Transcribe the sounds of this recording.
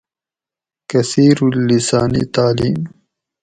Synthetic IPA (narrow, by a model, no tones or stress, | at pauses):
kɐsiːɾulːisaːnḭt̪aːliːm